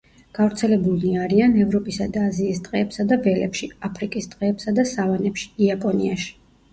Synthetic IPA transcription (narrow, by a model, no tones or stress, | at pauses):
ɡ̥avɾt̪sʰɛlɛbuliaɾianɛvɾɔpʼisad̪aːziːsd̪ʼʁʼɛːpsad̪avɛlɛ̰pʃiapʰɾikʼisd̪̥ʁʼɛːpsad̪asavanɛpʃi̥iapʼɔniaʃi̥